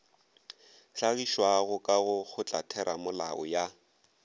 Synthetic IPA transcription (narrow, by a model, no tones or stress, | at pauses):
ɬaɣiʃwaɣʊkʼaɣʊɣʊt͡ɬʼa̰tʰɛɾʔamʊla̰ɔ̰ja